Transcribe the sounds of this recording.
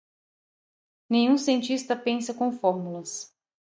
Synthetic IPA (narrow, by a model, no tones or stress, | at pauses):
nẽj̃ũsiẽnt͡ʃist̪ɐpẽsɐkõfɔɾmulɐs